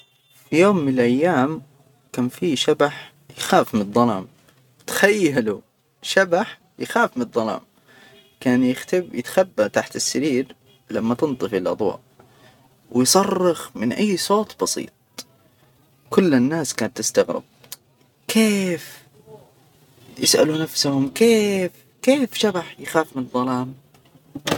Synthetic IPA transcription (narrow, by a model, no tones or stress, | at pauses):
fijoːmːɪnɪlʔajːaːm | kaːnfiːʃabaħ | jɪxaːfmɪnðˤːɑlɑːm | t̪ḁxajːalu | ʃabaħ | jɪxaːfmnðˤːɑlɑ̰ːm | kaːnjɪxt̪ɪbjɪt̪xabːat̪aħt̪ɪsːaɾiːɾ | lamːat̪ɪnt̪ˤɨfɪlʔɑd̪ˤwɑ̰ːʔ | wjsˤɑrˤːɑxmɪnʔajːsˤoːt̪ˤbɑsˤḭːt̪̚ˤ | kʊlːɪnːaːskaːnt̪ːɪst̪aɣɾɪ̰b̚ | kʰeːf | jɪsʔa̰lunafsahʊmkeːf | keːfʃabaħjɪxaːfmɪnðˤɑlɑːm